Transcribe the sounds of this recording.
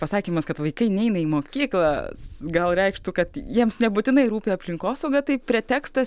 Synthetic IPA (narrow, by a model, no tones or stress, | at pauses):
pɐsɑːkʲiːmɐskɐt̪ʋɐɪkɐɪnʲɛɪnɐiːmoːkʲiːklˠɑːsɡɐlˠɾʲɛɪkʃt̪uːkɐt̪jiɛmsnʲɛbʊt̪ʲɪnɐɪɾuːpʲeːɐpʲlʲɪŋkoːsɐʊɡɐt̪ɐɪpʲɾʲɛt̪ʲæːkst̪ɐs